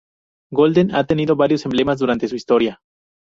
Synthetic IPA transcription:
ɡo̞ld̪enat̪e̞niðo̞βaɾjo̞se̞mble̞mazðuɾant̪e̞s̬uist̪o̞ɾja

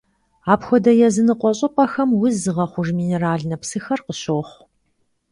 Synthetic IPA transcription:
aːpxʷɔdɐjɛzɨnɨqʷʼɔɕʼɐpʼɐxɐmwʊzɨʁɐχʷʊʒmiːneɾaːɮnɐpsɨxɐrqəɕoːχʷ

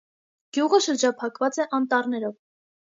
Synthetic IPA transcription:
ɡ̥juʁəʃəɾd͡ʒɑpʰɑkvɑt͡sɛʔɑnt̪ɑrnɛɾɔv

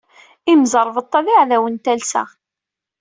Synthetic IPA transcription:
imzəɾˤvət̪ˤːɑðiʕðæwənt̪ælsæ̰

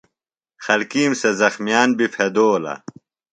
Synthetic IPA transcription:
xɐlkiːmsɐzɐxmjaːnbifʰed̪oːlɐ̰

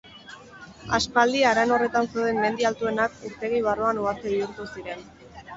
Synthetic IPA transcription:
aspald̪iaːɾano̞re̞t̪anseoðenme̞nd̪ialt̪ue̞nakuɾt̪e̞ɣ̞iβ̞aruanuɣast̪eβiuɾt̪usiɾe̞n

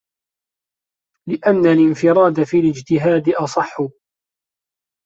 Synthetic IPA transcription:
lɪʔanːalɪnfɪɾˤɑːd̪afiːlɪd͡ʒt̪ɪɦaːd̪ʔɑsˤɑħːʊ

